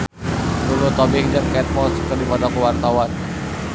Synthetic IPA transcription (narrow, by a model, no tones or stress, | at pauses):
lulut̪ɔbɪŋd͡ʒəŋkɛt̪̚mɔskərdipɔdɔkuwart̪awan